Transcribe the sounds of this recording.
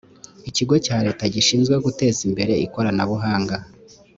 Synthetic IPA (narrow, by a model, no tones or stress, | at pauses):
iciɡo̞caːɾe̞ːtaɟiʃiːnzɡwe̞ɡute̞ːzimbe̞ɾe̞iko̞ɾanaβuɦaːŋɡa